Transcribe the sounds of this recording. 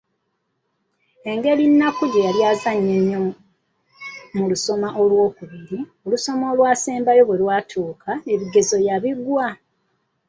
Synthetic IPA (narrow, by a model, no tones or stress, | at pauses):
e̞ŋɡe̞ɾinːakuɟejaljaːzaɲːeɲːo̞ | muluso̞maʔo̞lwo̞ːkuβiɾio̞luso̞mo̞ːlwaːseːmbajo̞βwe̞lwaːtʰuːkʰaeβiɡe̞zo̞jaβiɡwa